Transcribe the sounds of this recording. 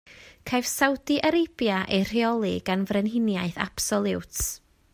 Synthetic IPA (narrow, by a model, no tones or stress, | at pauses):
kʰajv̥sawdiʔəɾɪb̥jaʔejr̥iɔlˠɨɡanvrɛnɦɪnjaɨθa̰b̥sɔlˠɪwt